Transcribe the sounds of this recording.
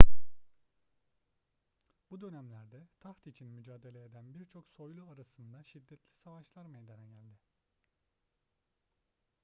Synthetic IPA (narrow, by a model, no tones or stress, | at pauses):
bud̪ø̞næmlʲæɾd̪ɛt̪ʰaxt̪it͡ʃʰinmyd͡ʒaːd̪e̞lʲeed̪ænbiɾt͡ʃʰo̞kso̞jlˠuaɾasɯnd̪aʃid̪ːɛt̪ʰlʲisavaʃlˠaɾmejd̪enɛɟælʲd̪ɪ